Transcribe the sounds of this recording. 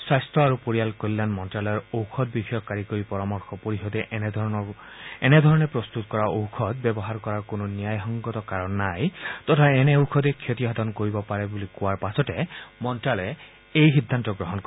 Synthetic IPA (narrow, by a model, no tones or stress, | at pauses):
swajstɹɔaɾupoɹijalkolilanmɔntɹalɔɔɹowkʰɔd̪̚bixɔjɔkːaɹikoɹipɔɹamɔɹxɔpoɹiɦɔd̪ɛʔɔ | ened̪ʱɔɹɔnepɹɔst̪ut̪kɔɹaowkʰɔt̪̚bɛbɔɦaɾkɔɹaɹkononijajɦɔŋɡɔt̪ɔkaɹɔnːajt̪ɔtʰaɛneowkʰɔd̪ekʰjot̪iɔɦɔd̪ɔnkoɹibɔpaɹebulikuwaɹpasɔtemɔntɹalɛ | ejɦid̪ʱːant̪ɔɡɹɔɦɔnkɔ